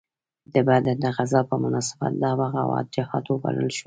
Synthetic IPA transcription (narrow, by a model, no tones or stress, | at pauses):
d̪əbad̪əd̪əɣazɑpəɾmʊnɑsɪ̥ba̰t̪̚d̪ɑbaɣawɑ̰d̪̚d͡ʒɪhɑt̪wəba̰lə̰lʃu